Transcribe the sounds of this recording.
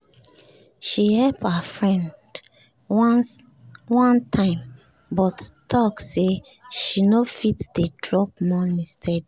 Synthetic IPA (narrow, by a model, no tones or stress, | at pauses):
ʃihɛlpafɹɛ̃nd | wɔ̃ntʰãɪ̃m | bɔttʰɔkse | ʃinofitdedɹɔp̚mɔ̃nĩstʰɛd